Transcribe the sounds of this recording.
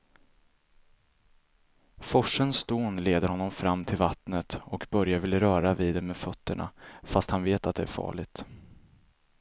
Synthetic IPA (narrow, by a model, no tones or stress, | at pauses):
fɔʂənst̪uːnleːd̪əɾhɔnːɔmfɾamːt̪ʰɪlvat̪nət̪ɔkbœɾjavɪlːəɾœːɾaviːd̪ɛmeːfœt̪ʰːəɳa̰fast̪hanveːt̪at̪̚d̪ɛæ̰ɾfɑ̰ːɭɪt̪